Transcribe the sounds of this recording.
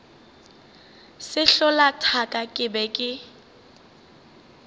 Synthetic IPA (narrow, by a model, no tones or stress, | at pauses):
sɪɬɔlatʰakʼakʼɪbɛkʼɪ